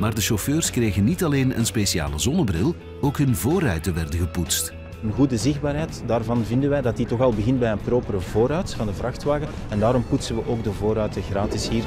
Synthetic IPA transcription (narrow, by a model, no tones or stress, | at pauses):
maːrdəʃɔføːrskreːɣənːitɑleːnə̰nspesia̰ːləzɔnəbrɪlˠ | oːkɦɵnvoːɾœɥtəʋɛrdəɣəputst | ənɣudəzɪɣdbaːɾɦɛjtdaːrvɑnvɪndənʋɛjdɑt̚ditɔxɑlˠbəɣɪntbɛjənproːpəɾəvoːɾœɥtfɑndəvrɑxtʋaːɣə | ɛndaːɾɔmputsənʋəʔoːɡdəvoːɾœɥtəɣraːtɪsɦiːr